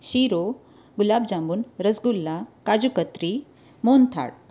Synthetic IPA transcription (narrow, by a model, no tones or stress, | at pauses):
ɕiɾo | ɡulabd͡ʑambuːnɾəsɡulːakad͡ʑukət̪ɾi | mont̪ʰa̰ɽ